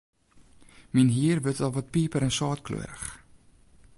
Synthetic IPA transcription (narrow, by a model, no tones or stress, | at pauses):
minɦiːərvətɑlˠvɔt̚piːpəɾɛnsɑːtklø̰əɾəχ